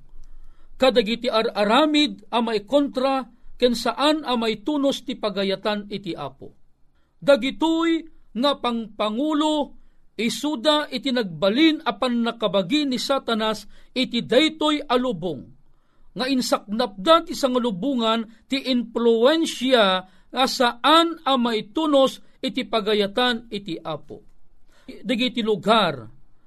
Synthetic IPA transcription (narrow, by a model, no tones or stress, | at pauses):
kad̪aɡit̪iʔaɾaɾaːmɪd̪̚ɐmajkont̪ɾakɛnsaʔanɐmajt̪uːnost̪ipaɡajat̪anɪt̪iʔa̰ːpo̰ | d̪aɡit̪ojŋapaŋpaŋuloisud̪aʔɪt̪inaɡ̚balinɐpanːakabaɡinisat̪anasɪt̪id̪ajt̪ojalubʊŋː | aʔɪnsak̚nap̚d̪at̪isaŋalubuŋant̪iʔɪnpluɛnʃa | ŋasaʔanɐmajt̪unosɪt̪ipaɡajat̪anɪt̪iʔaːpo̰ | d̪aɡit̪ilʊɡar